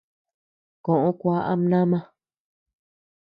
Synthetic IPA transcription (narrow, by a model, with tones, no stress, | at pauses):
kõ˨ʔõ˦kʷa˦ʔa̰˦m˦nã˦mã˦